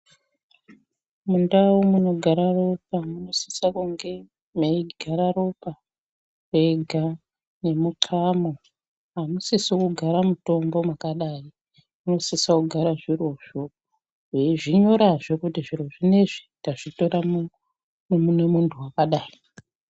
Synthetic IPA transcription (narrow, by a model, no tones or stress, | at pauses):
mundawumuno̞ɡʱaɾaro̞p̚amuno̞si̥sakuŋɡe̞ | meiɡʱaɾaro̞pa | weɡʱa | ne̞mukʰamo | ɦamusisikuɡʱaɾamuto̞mbo̞mwakaɗai | muno̞sisakuɡʱaɾaʐiro̞ʐo | eʐiɲo̞ɾaʐe̞kutiʐiro̞ʐine̞ʐitaʐito̞ɾam | mumune̞muntʰuwakaɗaːi